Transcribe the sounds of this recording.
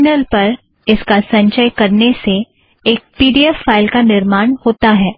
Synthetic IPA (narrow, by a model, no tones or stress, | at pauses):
nəlpɐɾ | ɪskasɐ̃ɲʃəjkɐɾnese | eːk̚piːɖiɛfːaːɪlkanɪɾmaːɽ̃hoːt̪aɦɛː